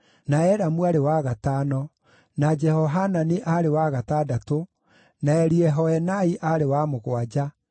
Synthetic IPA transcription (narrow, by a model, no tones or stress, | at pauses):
naɛɾamuaɾewaɣataːnɔ | nad͡ʒɛhɔɦananeʔaɾewaɣataːdato | naɛɾiɛɦɔɛnaiʔaɾewamoɣwad͡ʒa